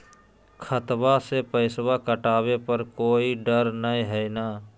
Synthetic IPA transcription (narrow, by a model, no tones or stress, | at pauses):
kʰət̪basepəɪsbakəʈaːbepəɾkoːiɖəɾnəĩɦɛjna